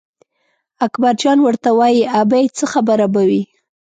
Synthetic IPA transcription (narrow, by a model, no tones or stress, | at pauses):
akbaɾd͡ʒɑnwəɾt̪awɑjiabajt͡səxabəɾabawi